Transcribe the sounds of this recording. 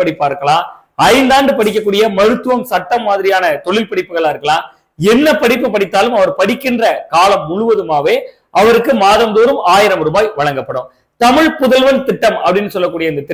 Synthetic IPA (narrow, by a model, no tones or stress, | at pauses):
ɐɽɪpːaːɪɾɯkːɐɭãː | ɐɪnd̪aːɳɖɯpɐɽɪkːɐkːuːɽɪjɐmɐɾɯt̪ːɯʋɐmsɐʈːɐmːaːðɪɾɪjaːnɐt̪ɔɭɪlpɐɽɪpːɯɣɐɭaːɪɾɯkːɐɭaː | ɛnːɐpɐɽɪpːɯpːɐɽɪt̪ːaːlɯmɐʋɐɾpɐɽɪkːɪndrɐkaːlɐmːʊɻʊʋɐðɯmaːʋeː | ʔɐʋɐɾɯkːɯmaːðɐmd̪oːɾɯmaːjɪɾɐmɾɯbaːjʋɐɻɐŋɡɐpːɐɽɯ̰m | t̪ɐmɪɻpʊðɐlʋɐnt̪ɪʈːɐmɐpːɐɽɪnːɯsɔlːɐkːuːɽɪjɐɪnd̪ɐt̪ɪ